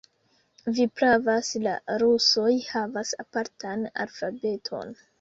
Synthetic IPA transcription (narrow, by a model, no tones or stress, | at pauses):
vipɾavasla̰ɾuso̞jhavasapaɾtʰana̰lfabe̞tʰo̞̰n